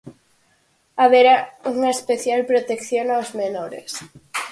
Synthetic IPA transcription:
aβeɾauŋaespeθjalpɾot̪ekθjonaozmenoɾḛs

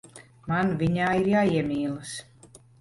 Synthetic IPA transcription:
manvʲiɲaːiɾjaːiɛmʲiːlˠɨs

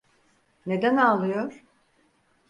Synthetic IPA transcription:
ne̞d̪ænalˠɯjoɾ̥

